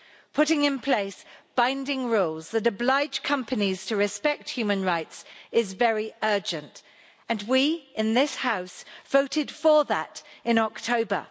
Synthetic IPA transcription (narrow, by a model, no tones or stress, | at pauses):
pʰʊɾɪ̃ŋɨ̃npʰl̥eɪsb̥ãɪ̃ndɪ̃ŋɹuːlˠzðɨɾɨblaɪ̥d͡ʒ̥kʰʌ̃mpɨniz̥tʰəɹɨspɛk̚t̚hjʉmɨ̃nɹaɪtsɪzvɛɹiɜ˞d͡ʒɨ̃nt | ɨ̃nwiɪ̃nðɪshaʊsv̥oʊɾɪd̥fə˞ðəɾɪ̃nɔk̚tʰoʊbə̰˞